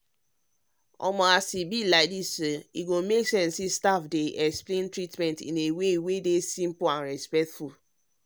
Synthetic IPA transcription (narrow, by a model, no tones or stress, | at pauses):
ɔ̰mɔasibilaɪdisoiɡomeksɛ̃nsistafdeʔɛksplẽntɹitmɛ̃ntḭ̃newewedesĩmpoãnɹɛspɛk̚tfu